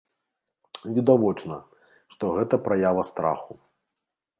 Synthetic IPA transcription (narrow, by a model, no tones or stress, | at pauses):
vʲid̪avɔt͡ʂnɐ | ʂt̪ɔɣɛt̪ɐpɾajavɐst̪ɾa̰xu